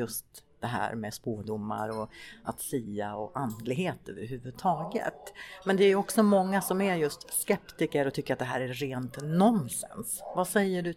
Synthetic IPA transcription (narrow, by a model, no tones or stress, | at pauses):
jɵst̪d̪̥ɛɦæ̰ːɾmɛspoːd̪ʊmːa̰ɾɔat̪siːaɔʔand̪lɪɡheːt̪ø̰ːvəɾɦʉ̟ːvɵd̪t̪ʰɑːɡə̰t̪mɛnd̪ɛːɾjɵɔksɔmɔŋːasɔmæɾjɵst̪skɛpt̪ɪkəɾɔt̪ʰʏkːəɾat̪̚d̪ɛɦæːɾæːeːnt̪nɔnsɛ̰nsvasɛjːəɖɵ